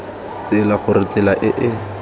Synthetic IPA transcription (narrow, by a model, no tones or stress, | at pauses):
t͡sɪlaχʊrɪt͡sɪlaʔɪʔɪ